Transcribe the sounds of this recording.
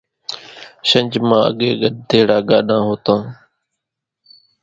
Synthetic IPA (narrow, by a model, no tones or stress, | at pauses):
ʃəɲʲd͡ʒmãːə̰ɠeːɠəɗd̪eːɽaːɠaːɗãːɦoːt̪ãː